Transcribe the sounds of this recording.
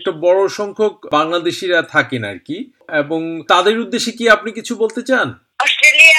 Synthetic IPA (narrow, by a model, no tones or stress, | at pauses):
k̚ʈabɔɽoʃɔŋkʰok̚baŋlad̪eʃiɾat̪ʰakena̰ɾki | eboŋt̪ad̪eɾud̪ːeʃekiapnikit͡ɕʰubolt̪et͡ɕan | ɔʃeli